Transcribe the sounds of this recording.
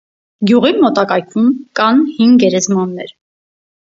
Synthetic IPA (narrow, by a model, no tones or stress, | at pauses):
ɡjuʁimɔt̪ɑkɑjkʰumkɑnhiŋɡɡɛɾɛzmɑnːɛɾ